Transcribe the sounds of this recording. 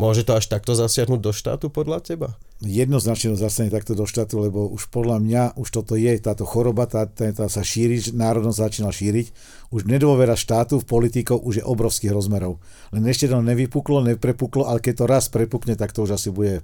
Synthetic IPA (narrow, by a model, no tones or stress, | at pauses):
mʊɔʒɛt̪ɔaʃt̪ak̚t̪ɔzasɪaɦnuɟ̚d̪ɔʃt̪a̰ːt̪upɔd̪lacɛba | jɛd̪nɔznat͡ʃɲɛt̪ɔzast̪aɲɛt̪ak̚t̪ɔd̪ɔʃt̪aːt̪ulɛbɔuʃpɔd̪lamɲauʃt̪ɔt̪ɔjɛt̪aːt̪ɔxɔɾɔbat̪at̪ɛt̪asaʃiːɾiʒnaːɾɔd̪nɔzzat͡ʃiːnalʃiːɾic | uʒɲɛd̪ʋɔʋɛɾaʃt̪aːt̪ufpɔlit̪ikɔʊʔuʒjɛʔɔbɾɔʊskiːɣɾɔzmɛɾɔʊ | lɛnɛʃcɛd̪ɔɲɛʋipuklɔɲɛpɾɛpuklɔʔalɛkɛc̚t̪ɔɾaspɾɛpukɲɛt̪akt̪ɔuʒasibuɟɛ